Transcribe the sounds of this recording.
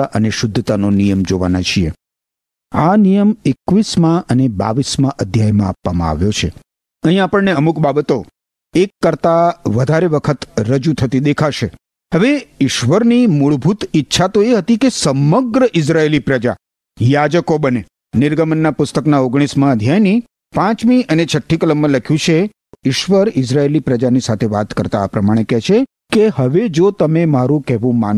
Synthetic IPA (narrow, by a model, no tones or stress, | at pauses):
ʔəneʃʊd̪ʱːt̪anonijəmd͡ʒoʋa̰nat͡ʃʰiḛ | anijəmekʋismãəneba̰ʋismãʔəd̪ʱjajmãapʋamã̰a̰ʋjot͡ʃʰe | əɦĩapəɳneəmukbabət̪o | ekːəɾt̪aʋəd̪ʱaɾeʋəkʰət̪ɾəd͡ʒut̪ʰət̪id̪ekʰaʃe | ɦəʋeɪʃʋəɾnimuɭbʱut̪ɪtːʃʰat̪oeɦət̪ikesəməɡɾəʔɪs̬ɾaelipɾəd͡ʒa̰ | jad͡ʒəkobəne | nɪɾɡəmənːapʊst̪əknaoɡɽ̃ismãəd̪ʱjajni | pãt͡ʃmiʔənet͡ʃʰəʈʰːikələmːə̃ləkʰjũt͡ʃʰe | ɪʃʋəɾɪs̬ɾaelipɾəd͡ʒanisat̪ʰeʋa̰t̪kəɾt̪aːpɾəmaɽ̃ekɛʃʰe | keɦəʋed͡ʒot̪əmemaɾũkɛɦʋũma̰n